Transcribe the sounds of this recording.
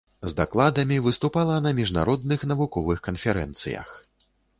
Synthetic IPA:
zd̪aklˠad̪ɐmʲivɨst̪upalˠɐnɐmʲiʐnaɾɔd̪nɨxnɐvukɔvɨxkɐnfʲɛɾɛ̰nt̪sɨ̰jɐ̰x

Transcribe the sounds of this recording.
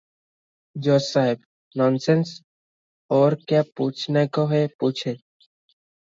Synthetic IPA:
d͡ʒoːsaːɦɪb | nɔːnseːns | ɔːɾkjaːpuːt͡ʃʰneːkoɦepuːt͡ʃʰeː

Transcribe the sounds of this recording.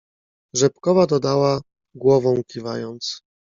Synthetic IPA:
ʐɛpkɔvad̪ɔd̪awa | ɡwɔvɔ̃w̃kʲiva̰jɔnt̪s

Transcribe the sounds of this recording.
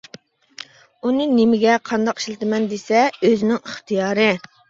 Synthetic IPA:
unɨnemɪɡʲɛqʰɑnd̪ɑqi̥ʃlɪt̪ɪmɛnd̪esɛøzɪnɪŋɪχt̪ʰijɑːɾɨ

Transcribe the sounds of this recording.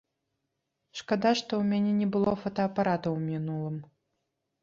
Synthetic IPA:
ʂkad̪aʂt̪ɔwmʲanʲɛnʲɛbɨlˠɔfɐt̪ɐːpaɾat̪ɐwmʲinulˠɨm

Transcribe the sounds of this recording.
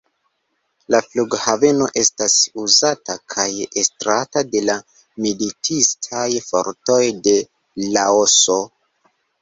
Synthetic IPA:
lafluɡhave̞no̞ʔe̞stasuzatakʰajestɾatade̞la | militʰistʰajfo̞̰ɾto̞jde̞ | laoso̞

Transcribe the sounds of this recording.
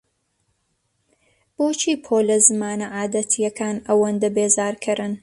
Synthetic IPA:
b̥oːt͡ʃʰiːpʰoːlɐzɨmaːnɐʕaːd̪ɐt̪ʰijɐkʰaːnɐwɐnd̪ɐbeːzaːɾkʰɨɾɨn

